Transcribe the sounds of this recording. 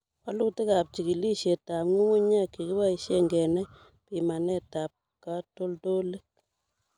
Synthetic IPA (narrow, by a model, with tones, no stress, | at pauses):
wa˦lu˦kti˦ka˨p̚t͡ʃi˨ki˨li˦ʃe˨ta˨mŋu˦ŋu˦ɲa˦ki˨ki˦wa˦i˨ʃe˦ŋɡɛ˨nɛ˦ | pi˨ma˨nɛ˦ta˨p̚ | ka˦to˦lto˦le˦k̚